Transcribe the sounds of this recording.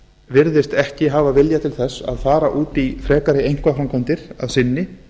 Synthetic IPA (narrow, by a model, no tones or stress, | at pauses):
vɪɾðɪst̪ɛhcɪɦaːvavɪljat̪ʰɪlθɛsːa̰ðfaːɾaʔuːt̪ifɾɛːkaɾɪejŋ̥kvafɾamkʰɔnt̪ɪɾ̥aðsɪnːɪ